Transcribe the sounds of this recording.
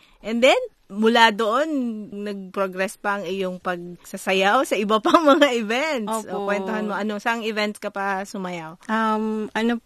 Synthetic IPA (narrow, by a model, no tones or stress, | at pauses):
ʔɛnd̪ɛn | mʊlad̪oʔo̞nnɐɡ̚pɾoɡɾɛspɐɐŋɪjoŋpɐɡ̚sɐsɐjawsɐʔɪbɐpaŋmɐŋaʔɪvɛnt̪sʔokwɛnohanmo̞ʔɐnosɐɐŋɪvɛnt̪skɐpɐsʊmɐjawʔɐmɐno